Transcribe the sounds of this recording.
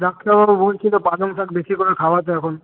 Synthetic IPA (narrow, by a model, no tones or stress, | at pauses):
d̪akʰːiababolt͡ʃʰit̪opaloŋsakbesikoɾekʰawat̪eɛkʰon